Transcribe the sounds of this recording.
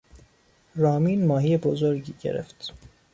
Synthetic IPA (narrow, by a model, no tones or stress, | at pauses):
ɾɒːmiːnmɒːɦiːjebozoɾɟiːɟḛɾḛft̪